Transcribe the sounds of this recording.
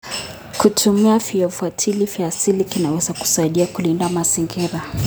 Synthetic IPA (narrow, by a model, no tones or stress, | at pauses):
kutʰumiafiɔfuatʰilifiasilikinawɛzaku̥saiɗiakulindamaziŋɡiɾa